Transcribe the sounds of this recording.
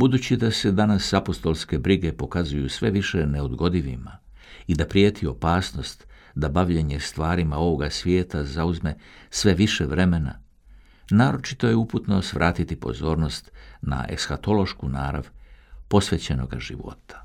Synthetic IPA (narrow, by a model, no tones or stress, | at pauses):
bud̪uːt͡ɕid̪ase̞d̪anasapo̞st̪o̞lˠske̞bɾiɡe̞po̞kazujusʋe̞ʋiʃeneo̞d̪ɡo̞d̪iʋḭma | id̪apɾje̞ːt̪ʰio̞paːsno̞st̪ | d̪abaʋʎe̞ɲe̞st̪ʋaːɾimao̞ʋo̞ɡasʋje̞ːt̪azauzme̞sʋe̞ʋiʃeʋɾe̞me̞na̰ | naːɾo̞t͡ʃi̥t̪o̞jeuput̪no̞sʋɾʔaːt̪it̪ipo̞̰zo̞ːɾno̞st̪na̰ʔe̞̰ksxat̪o̞lo̞ʃkuna̰ːɾa̰ʋpo̞sʋe̞t͡ɕe̞no̞̰ɡa̰ʒḭʋo̞̰t̪ʰḁ